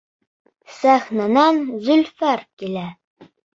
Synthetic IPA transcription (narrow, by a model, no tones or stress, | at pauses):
sæχnɑnɑnzɵlfæɾkilæ